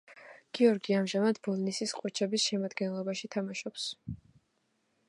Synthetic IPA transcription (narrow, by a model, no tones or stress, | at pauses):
ɡ̥iɔɾɡiamʒamad̪bɔlˠnisisqʼwɛt͡ʃʰɛbisʃɛmad̪ɡɛnlˠɔbaʃit̪ʰamaʃɔps